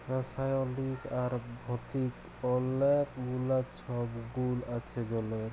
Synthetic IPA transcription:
ɾasajolikaɾbʱɔt̪ik | ɔlekmulat͡ɕʰɔbɡulat͡ɕʰed͡ʑɔleɾ

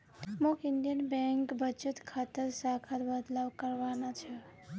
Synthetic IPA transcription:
mokinɖijənbɛŋkbət͡ʃət̪kʰat̪əɾsakʰaɾbəd̪lawkəɾbanat͡ʃʰə

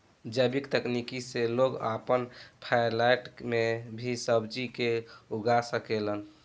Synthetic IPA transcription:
d͡ʒəbikt̪əknikiseloɡapənpʰajlajʈmebʱisəbd͡ʒikeuɡasəkelən

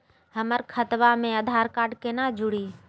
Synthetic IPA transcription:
ɦəməɾkʰət̪ʋaːmẽəd̪ʱaːɾkaːɖkeːnaːd͡ʒʊɽiː

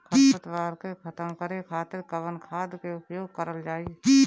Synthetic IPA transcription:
kʰəət̪ʋaːɾkekʰət̪əmkəɾekʰaːt̪ɪɾkəʋənkʰaːd̪keʊpjoːɡ̚kəɾəld͡ʒaːi

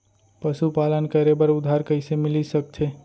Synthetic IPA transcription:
pəsupalənkəɾebəɾʊd̪ʱːaɾkəɪsemɪlisək̚t͡ʃ̪ʰe

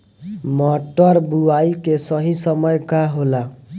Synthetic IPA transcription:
mɔʈɔɾbuaikesʌɦisʌmɔjkaɦola

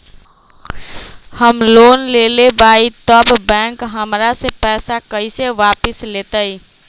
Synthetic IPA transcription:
həmlonlelebait̪əbbɛ̃ŋkɦəmɾasepɛsakəiseʋapislet̪əi

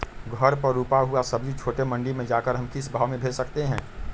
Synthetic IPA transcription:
ɡʱɐɾpɐɾuːpaɦuasɐbd͡ʒit͡ʃʰoːʈemɐ̃ɳɖimẽd͡ʒaːkəɾɦɐmkɪsbʱaːʋmẽbʱeːd͡ʒsɐkt̪eɦɛ̃ː

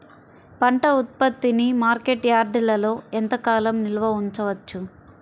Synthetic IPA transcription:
pɐɳʈɐut̪̚pɐt̪ːinimaːɾke̞ʈjaːɾɖilɐlo̞ːɛnt̪ɐkaːlɐmnilɐʋɐuɲt͡ʃɐʋɐt͡ʃːu

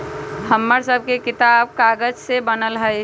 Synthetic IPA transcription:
həmːəɾsəb̚ʱkekɪt̪aːb̚kaːɡəd͡ʒsebənəlɦə

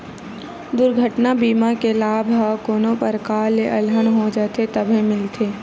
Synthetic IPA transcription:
d̪ʊɾɡʱəʈnabiːmakelaːbʱɦakoːnõpəɾkaːlːeʔɐlɦənɦod͡ʒaːt̪et̪ɐbʱemɪlt̪ʰeː

